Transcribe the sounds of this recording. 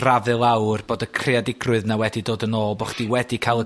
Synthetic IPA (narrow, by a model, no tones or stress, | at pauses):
ravɨlˠawrb̥oːdəkʰr̥ɪadɪɡrʊɨðnawɛdidoːdənoːlˠbɔχd̥iwɛdikʰalˠə